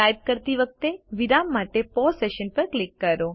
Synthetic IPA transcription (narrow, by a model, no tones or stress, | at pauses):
ajd̪̚kəɾt̪iʋək̚t̪eʋiɾamːaʈepɔseʃənpəɾklikːəɾo